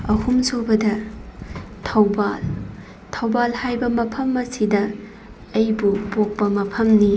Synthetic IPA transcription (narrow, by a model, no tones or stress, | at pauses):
ɐhumsobɐdɐ | tʰɐwbal | tʰɐwbalhajbɐmɐpʰɐmːɐsidɐ | ɐjbupok̚pɐmɐpʰɐmni